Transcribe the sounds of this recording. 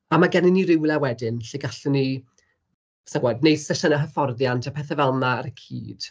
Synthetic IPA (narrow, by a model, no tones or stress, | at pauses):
amaɡɛnɪnːiɾɪwlˠɛwɛdɪnɬeɡaɬʊni | snaɡwɛdnejd̥sɛɬənaɦəfɔrðjantʰapʰɛθɛvɛlˠnaːɾəkʰḭːd̥